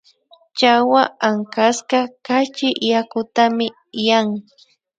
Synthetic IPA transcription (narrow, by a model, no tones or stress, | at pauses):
t͡ʃawaaŋkaskakat͡ʃɪjakʊt̪amɪ | jaŋ